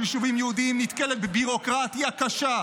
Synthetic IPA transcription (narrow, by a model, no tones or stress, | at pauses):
iʃuvimjɛud̪iimnit̪kelet̪̚bebiʁo̞kʁat̪jakaʃa